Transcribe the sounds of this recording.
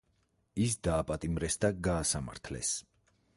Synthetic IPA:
isd̪aːpʼat̪ʼimɾɛsd̪aɡaːsama̰ɾt̪ʰlɛ̰s

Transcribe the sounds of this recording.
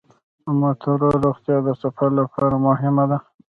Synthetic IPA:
mat̪ʰaɾoɾoχt̪jɑd̪əsafaɾlapʰɑɾamʊɦɪmad̪a

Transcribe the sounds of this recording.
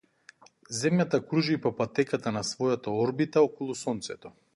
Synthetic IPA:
zɛmjat̪akɾuʒipɔpat̪ɛkat̪anasvɔjat̪aɔɾbit̪aɔkɔlˠusɔnt̪sɛt̪ɔ

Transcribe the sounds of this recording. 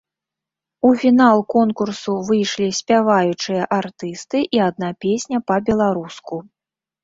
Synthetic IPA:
ufʲinalˠkɔnkursuvɨjʂlʲisʲpʲavajut͡ʂɨjɐʔart̪ɨst̪ɨʔiad̪napʲesʲnʲɐpɐbʲɛlˠaɾusku

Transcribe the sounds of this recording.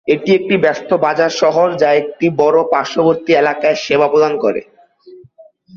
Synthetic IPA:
eʈiek̚ʈibɛst̪obad͡ʑaɾʃɔɦoɾd͡ʑaek̚ʈibɔɾopaɾʃoboɾt̪ielakaeʃebapod̪ankoɾḛ

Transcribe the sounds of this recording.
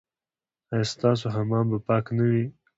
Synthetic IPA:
ajst̪ɑːs̬oɦamɑmbəpɑːknawi

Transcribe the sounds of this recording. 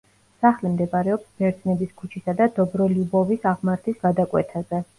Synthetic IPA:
saχlimd̪ɛbaɾɛɔpsmɛɾd̪znɛbiskʰut͡ʃʰisad̪ad̪ɔbɾɔlibɔvisaʁmaɾt̪ʰisɡ̥ad̪akʼwɛ̰t̪ʰazɛ

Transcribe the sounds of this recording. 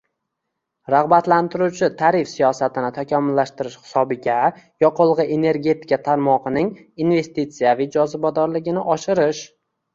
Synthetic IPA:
ɾaʁbat̪lant̪ʰɪɾut͡ʃʰɪt̪ʰaɾɪfsijɒsat̪ʰɪnɪt̪ʰakʲʰɒmʊlːaʃt̪ɪɾɪʃhɪ̥sɒbɪɡʲajɒqʰolˠʁɨe̞ne̞ɾɡʲe̞t̪ʰɪ̥kat̪ʰaɾmɒqɨnɪŋ | inve̞st̪it̪sijavɪjd͡ʒɒzɪbɒd̪ɒɾlɪɡʲɪnɪʔɒʃɪɾɪʃ

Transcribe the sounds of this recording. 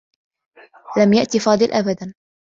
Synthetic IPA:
lamjaʔt̪ifɑːd̪ˤɨlʔabad̪an

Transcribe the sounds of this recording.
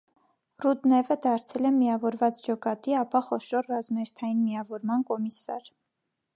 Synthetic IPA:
rud̪nɛvəd̪ɑɾt͡sʰɛlɛmiɑvɔɾvɑt͡sd͡ʒɔkɑt̪iɑpɑχɔʃɔrrɑzmɑɛɾt̪ʰɑjinmijɑvɔɾmɑnkɔmisɑ̰ɾ

